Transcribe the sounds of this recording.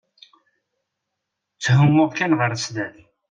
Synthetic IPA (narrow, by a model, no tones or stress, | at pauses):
t͡sːɦʊmːʊʁkænʁəɾsd̪æð